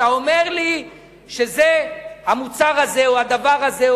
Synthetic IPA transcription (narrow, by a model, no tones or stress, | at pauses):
aome̞ʁli | ʃezehamut͡saʁazeoad̪avaʁaze